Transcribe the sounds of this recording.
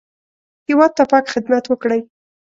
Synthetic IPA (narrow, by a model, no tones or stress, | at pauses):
hɪwɑd̪̚t̪ːapɑkxɪd̪mat̪wəkɽəj